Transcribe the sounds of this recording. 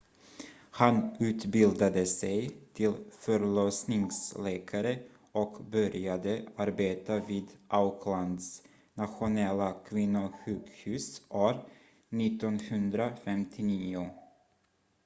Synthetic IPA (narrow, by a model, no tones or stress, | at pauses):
hanʉ̟ːt̪bɪld̪ad̪əsɛjt̪ʰɪlfœɾɭɔsnɪŋslɛːkʰaɾə | ɔkbœɾjad̪əaɾbeːt̪aviːd̪ʔaʊkʰland̪s | nat̪ɧʊnɛlːakʰvɪnːʊɧʉ̟ːɡhʉ̟ːsʔoːɾ | nɪt̪ːɔnhɵnd̪ɾafɛmt̪ʰɪniːʊ